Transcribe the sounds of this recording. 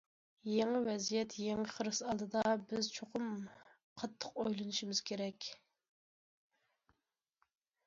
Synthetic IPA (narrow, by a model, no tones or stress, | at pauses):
jeŋɨvɛzijɛt̪jeŋəχəɾɨsɑlˠd̪ɨd̪ɑbɪzt͡ʃʰoqʰʊm | qʰɑt̪ʰːə̥qojlˠɨnɨʃimɪz̥kʲʰeɾɛkʲ